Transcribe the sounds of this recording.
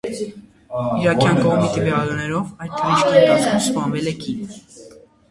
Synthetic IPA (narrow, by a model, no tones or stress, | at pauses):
iɾɑkʰjɑnkɔʁmit̪əvjɑlunɛɾɔvɑjt̪ʰːəvit͡ʃkʰɑnɑtumspɑnvɛlɛkʰin